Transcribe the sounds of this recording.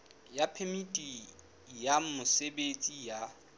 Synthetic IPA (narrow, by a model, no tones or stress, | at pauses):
japʰemitʼi | jamʊsebet͡sʼija